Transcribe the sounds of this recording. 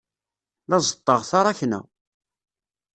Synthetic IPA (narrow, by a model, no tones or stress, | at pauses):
læzˤət̪ˤːəʁθɑɾˤɑçnæ̰